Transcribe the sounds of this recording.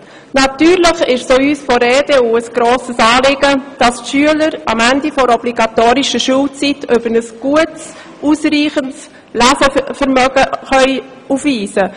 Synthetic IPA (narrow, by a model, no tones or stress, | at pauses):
nɑtyːɾləχɪʃsoːyːsfɔɾɛːd̥euəsɡ̥ɾoːsəsɑːlɪɡəd̥ɑstʃyələɾɑmændifɔɾɔbliɡ̥ɑt̪oːɾiʃəʃuːlt͡sitʰøbəɾnəsɡ̥uəts | uːsriːχəns | læsəfəɾmœɡəχœʏ | ufʋiːsə